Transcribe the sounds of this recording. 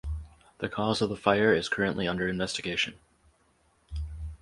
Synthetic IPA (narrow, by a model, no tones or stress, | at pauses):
ðɨkʰɔzʌvðəfaɪə˞ɪz̥kʰɜ˞ɨ̃nʔliʌ̃ndə˞ɨ̃ɱvɛstɨɡeɪʃɨ̃n